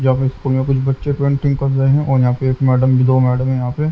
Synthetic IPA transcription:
d͡ʒɐɦãːpeɪskuːlmẽkʊt͡ʃʰbɐtːʃepɾẽːɳʈɪ̃ŋɡkːɐɾɾɐeɦɛ̃ʔɔːɾjɐɦãːpeeːkmɛːɖəmbʱid̪oːmɛːɖəmɦɛ̃jɐɦãːpe

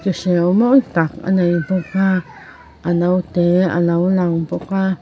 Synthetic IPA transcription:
kiʃeomõt̪aka̰nãĩpokʷa | anãut̪ea̰nãulãũpokʷa

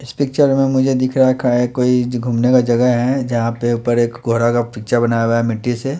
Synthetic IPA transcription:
ɪspɪk̚t͡ʃəɾmẽmʊd͡ʒʱed̪ɪkʰɾaɦɛkʰaɛkoːiɡʱuːmnekad͡ʒɐɡəɦɦɛd͡ʒɐɦãpeupəɾeːkɡʱoːɾakapɪk̚t͡ʃabɐnaːjɡaɛmɪʈːise

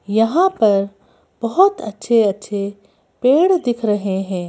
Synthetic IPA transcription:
jɐɦãpɐɾ | b̥ɐɦʊt̪ɐtːʃʰeɐtːʃʰe | peːɽd̪ɪkʰɾɐɦeɦɛ̃ː

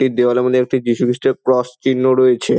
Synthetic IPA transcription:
ʈid̪ewalemod̪eɛk̚ʈid͡ʑiʃukɾiʃʈeɾkɾɔst͡ɕinːoɾojet͡ɕʰe

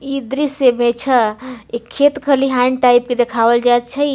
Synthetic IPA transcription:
id̪ɾisemẽt͡ʃʰəekʰːet̪kʰəliɦaɳɖʈaɪp̚ked̪ekʰaʋəld͡ʒat̪̚t͡ʃʰəi

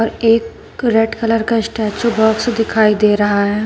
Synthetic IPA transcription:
ɔːɾeːk | ɾeʈkɐləɾkaɪsʈɛːt͡ʃobɔːksed̪ɪkʰaːid̪eːɾɐɦaɦɛː

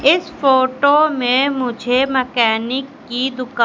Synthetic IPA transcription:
ɪsfoːʈomẽmʊd͡ʒʱemɐkɛːnɪkːid̪ʊka

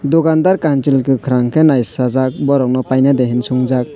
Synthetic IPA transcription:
dɔɡandaɾkant͡ʃilkʰɯkʰɯɾaŋkʰenajsazak̚bɔɾɔk̚nɔpajnadeɦinsuŋzak̚

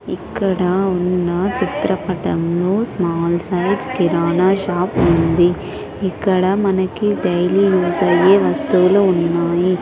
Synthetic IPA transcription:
ikːɐɽɐunːɐt͡ʃit̪ɾɐpɐʈɐmnusmaːlsɐjd͡ʒkiɾaːnaːʃaːpund̪i | ikːɐɽɐmɐnɐkːiɖɐjlijuːsɐjeːʋɐst̪uʋluunːaːji

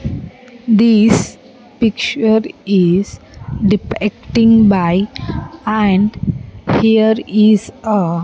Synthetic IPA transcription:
d̪is | pikt͡ʃəɾiz̥ɖipek̚ʈĩŋbaɪ | æ̃ɳɖhiəɾizə

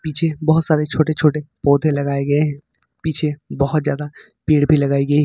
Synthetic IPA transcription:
pit͡ʃʰebɔɦʊt̪saːɾet͡ʃʰoːʈet͡ʃʰoːʈepɔːd̪ʱelɐɡaːeɡɐeɦɛ̃ | pit͡ʃʰebɔɦʊt̪zjaːd̪a | piːɽbʱilɐɡaːiɡɐi

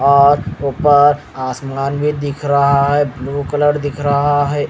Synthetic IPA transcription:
ɔːɾopəɾ | aːsməɡaːnbʱid̪ɪkʰɾɐɦaɦɛbluːkələɾd̪ɪkʰɾɐɦaɦɛ

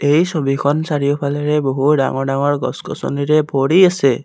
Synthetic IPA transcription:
ejsɔbʱikʰɔnsaɾijɔpʰalɛɾeboɦuɖa̰ŋɔɖaŋɔɹɡɔ̰skɔ̰sɔ̰niɾebʱoɽiase

